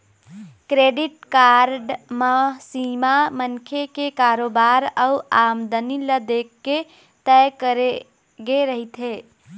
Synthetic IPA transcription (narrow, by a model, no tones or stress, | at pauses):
kɾeɖiʈkaɾɖməsimamənkʰekekaɾobaɾəuamd̪əniləd̪ekːe | t̪ɛkəɾe | ɡeɾəɦit̪ɦe